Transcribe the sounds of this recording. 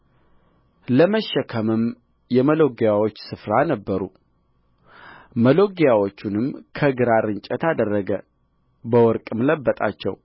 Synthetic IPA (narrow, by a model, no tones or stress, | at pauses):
ləməʃːəkʰəmɨm | jɛməlo̞ɡejawo̞t͡ʃːsɨfɾanəbːəɾṵ | məlo̞ɡjawo̞t͡ʃːunɨmkʰəɡɨɾaɾɨɲt͡ʃʼət̪ad̪ərːəɡə | bəwɔɾkʼɨmləbːət̪ʼa̰t͡ʃːɛ̰w